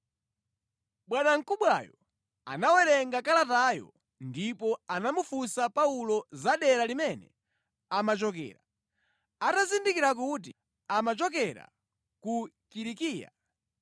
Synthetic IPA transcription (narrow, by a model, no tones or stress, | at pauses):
ɓwanaŋ̩kuɓwajɔ | a̰nawɛɾɛŋɡakalatajɔ̰ | ndipɔanamufusapaulɔzaɗɛɾalimɛnɛ̰ | amat͡ʃɔk̬ɛ̰ːɾa | atazindikiɾakut̬i | amat͡ʃɔk̬ɛɾa̰ | ku | kiɾikiːja̰